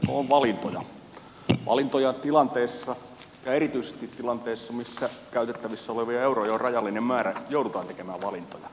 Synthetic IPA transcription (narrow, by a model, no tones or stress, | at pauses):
kooʋʋɑlint̪ojɑ | ʋɑ̰lint̪ojɑt̪ilɑnt̪eːsːɑ | jɑerit̪yisest̪it̪ːilɑnt̪eːsːɑmisːækæyt̪et̪ːæʋisːæoleʋiɑeurojɑorrɑjɑlːinemmæːɾæjoˑudut̪ɑːnt̪ekemæːʋʋɑlint̪o̰jɑ